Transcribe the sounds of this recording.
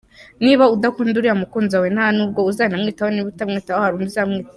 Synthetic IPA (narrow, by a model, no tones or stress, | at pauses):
niβaudakuːnduɾiɾamukuːnzawenhanuːb̚ɡo̞uzaːnamŋiːtahoniβutamŋiːtahohaɾunizamŋiːt